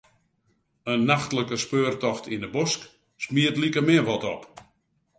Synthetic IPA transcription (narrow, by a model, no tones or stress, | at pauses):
ənːaxtləkəspøːrtɔxtʰindəbosk | smiətlikəmɪənʋɔtɔp